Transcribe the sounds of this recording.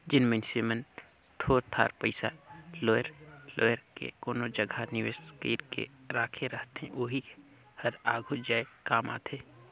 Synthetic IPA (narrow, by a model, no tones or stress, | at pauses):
d͡ʒɪnmənsemən | t̪ʰoːɾt̪ʰa̰ːɾpəɪsa̰loːəɾlo̰ːjəɾkḛkoːnod͡ʒəɡʱanɪʋeskiːɾkḛɾaːkʰeɾəɦt̪ɦɛ̰̃ʔoːɦi | hɐɾaːɡʱud͡ʒaːekaːma̰ːt̪ʰeː